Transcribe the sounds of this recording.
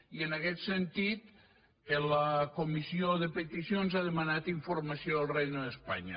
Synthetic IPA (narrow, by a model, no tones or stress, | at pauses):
iənəkɛt̪sənt̪it̪ | ələkumisioðəpət̪isionzaðəmənat̪iɱfuɾməsioəlˠrejnəðəspa̰ɲə̰